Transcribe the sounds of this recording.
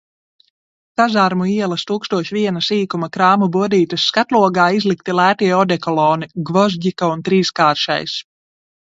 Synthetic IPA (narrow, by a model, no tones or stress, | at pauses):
t̪azaɾmuiɛlˠɐst̪uːkst̪uɔʃiviɛnasiːkumakɾaːmubuɔd̪iːt̪ɐsːkat̪lˠuɔɡaːizlˠikt̪ilˠæːt̪iɛɔd̪ɛkɔlˠɔːniɡvɔzɟikɔunt̪ɾiːskaːɾʃa̰js